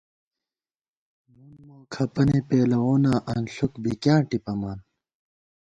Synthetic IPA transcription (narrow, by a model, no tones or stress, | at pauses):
munmoːkʰɐpɐnepeːlɐwoːnaːʔɐnɬukbikjãːʈipɐmaːn